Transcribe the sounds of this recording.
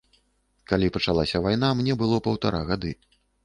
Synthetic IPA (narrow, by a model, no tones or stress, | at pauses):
kalʲipɐt͡ʂalˠasʲɐvajnamnʲɛbɨlˠɔpɐwt̪aɾaɣad̪ɨ